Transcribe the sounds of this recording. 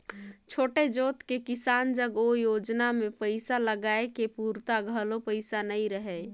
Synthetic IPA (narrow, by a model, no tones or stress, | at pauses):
t͡ʃʰoːʈed͡ʒot̪kekisand͡ʒəɡojod͡ʒnamepəɪsaləɡaekepuɾt̪aɡʱəlopəɪsanəiɾəɦɛ